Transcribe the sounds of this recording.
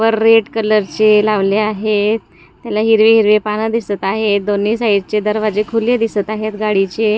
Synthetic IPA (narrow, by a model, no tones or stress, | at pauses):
ʋəɾːeʈkələɾt͡ɕelaʋleaɦe | t̪ːjalaɦiɾʋeɦiɾʋepanad̪isət̪aɦed̪onːiːsaiɽt͡ɕed̪əɾʋad͡ʑekʰuljed̪isət̪aɦet̪ɡaɽit͡ɕe